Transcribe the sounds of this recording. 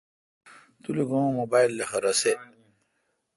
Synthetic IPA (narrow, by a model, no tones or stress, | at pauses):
t̪uliɡõmobailːexɐɾɐse